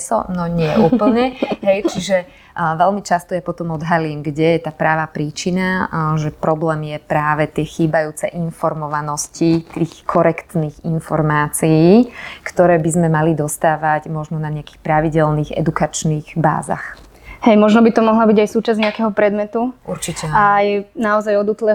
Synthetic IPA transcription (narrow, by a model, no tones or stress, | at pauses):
sɔ̰nɔɲɪɛʔuːpl̩ɲɛɦɛjt͡ʃiʒɛ | ʋɛlmit͡ʃast̪ɔjapɔt̪ɔmɔd̪ɦaliːmɡɟɛjɛt̪aːpɾaːʋaːpɾiːt͡ʃinaʒɛpɾɔblɛːmjɛpɾaːʋɛt̪ɪɛxiːbajuːt͡sɛ̰ʔinfɔɾmɔʋanɔscit̪iːxkʰɔɾɛkt̪niːɣinfɔɾmaːt͡sijiːkt̪ɔɾɛːbizmɛmalid̪ɔst̪aːʋaɟmɔʒnɔnaɲɛaki̥xpɾaʋiɟɛlniːɣɛ̰d̪ukat͡ʃniːɣba̰ːza̰x | hɛjmɔʒnɔbit̪ɔmɔɦlabiɟajsuːt͡ʃazɲɛakɛɦɔpɾɛd̪mɛt̪uuɾt͡ʃicɛajɛnaɔzajɔd̪uːt̪lɛ